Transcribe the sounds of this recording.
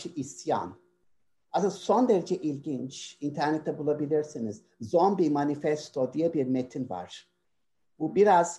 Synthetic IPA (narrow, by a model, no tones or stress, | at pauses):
ɯʔisja̰n | azɯso̞nd̪eɾed͡ʒɛʔilʲɟint͡ʃint̪ʰæɾnet̪ʰːɛbulˠabilʲiɾsiniz̥ | zo̞nbimanifɛst̪ʰo̞d̪ijɛbiɾmet̪ʰinva̰ɾ̥ | bubiɾaz̥